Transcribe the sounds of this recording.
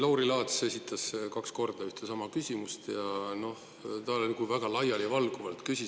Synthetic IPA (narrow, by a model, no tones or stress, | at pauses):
lɑwɾilɑːt̪se̞sʲit̪ʰːˑɑskɑksko̞rd̪̥ɑyht̪esɑmɑkysʲimust̪jɑno̞h | t̪ɑlolʲikuvæɡ̥ɑlɑjɑlivɑlɡ̥uvɑlt̪kysʲi